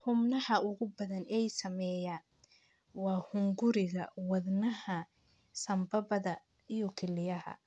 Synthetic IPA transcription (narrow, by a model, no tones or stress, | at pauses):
hʊmnɐhɐʊɣʊbɐðɐnɛjsɐmɛːjaːn | wɑːhʊŋɡʊɾɪɣɐwɑðnɐhɐ | sɐmbɐbɐðɐ | ijɔkʰɛlɪjɐɦɐ̰